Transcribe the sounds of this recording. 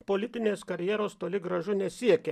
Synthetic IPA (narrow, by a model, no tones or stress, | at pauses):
poːlʲɪt̪ʲɪnʲeːskɐɾʲjɛɾoːst̪oːlʲɪɡɾɐʒʊnʲɛsʲiɛkʲɛ